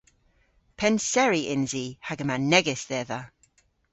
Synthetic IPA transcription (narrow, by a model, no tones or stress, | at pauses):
pʰɛnsɛɹiʔɪnziːhaɡəmanɛɡɪsðɛða